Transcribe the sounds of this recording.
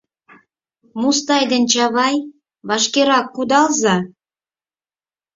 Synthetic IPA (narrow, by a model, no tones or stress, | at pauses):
must̪ɑjd̪ənt͡ɕɑβɑj | βɑʃkeɾɑkːud̪ɑlzɑ